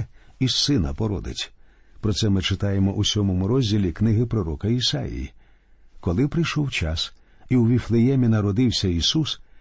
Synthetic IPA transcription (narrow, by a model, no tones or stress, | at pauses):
isɪnɐpɔɾɔ̰d̪ɪ̰t͡sʲ | pɾɔsɛmɪt͡ʃɪt̪ɑjemɔʔusʲɔmɔmʊɾɔzʲdʲilʲiknɪɦɪpɾɔɾɔkɐisɑ̰jḭjḭ | kɔlˠɪpɾɪjʃɔwt͡ʃɑs | iwʋʲiflˠejɛmʲinɐɾɔd̪ɪwsʲɐisus